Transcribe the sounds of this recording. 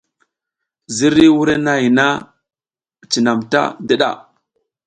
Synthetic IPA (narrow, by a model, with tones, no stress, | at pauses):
zi˦ɾi˦wu˦ɾe˦na˦i˨na˦˨ | t͡ʃi˨na˨mta̰˦de˦ɗa̰˨